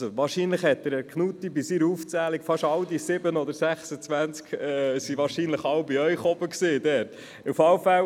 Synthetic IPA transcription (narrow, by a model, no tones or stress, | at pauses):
soʋɑːɾʃiːnləχhɛt̪ːəɾəkʰnuːt̪ibɪsiːɾuːft͡sæːlikfɑʃɑwd̪isɪbənɔd̪əɾsæχsət͡sʋænt͡skɛsiʋɑːɾʃinləχɑwbiœʏχɔb̥əksiːd̪ɛːɾt | ufɑʊfæw